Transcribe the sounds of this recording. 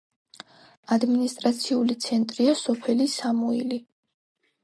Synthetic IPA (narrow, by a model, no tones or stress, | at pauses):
ad̪minist̪ʼɾat̪sʰiulit̪sʰɛnt̪ʼɾiasɔpʰɛlisamuili